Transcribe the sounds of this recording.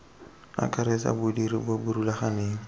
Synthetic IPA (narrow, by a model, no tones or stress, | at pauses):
a̰kʰʼaɾesa̰bʊdiɾibabuɾulaχaneːŋ̩